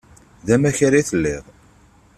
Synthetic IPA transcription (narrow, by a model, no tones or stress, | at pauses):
ðæmæçaɾiθəlːɪʁ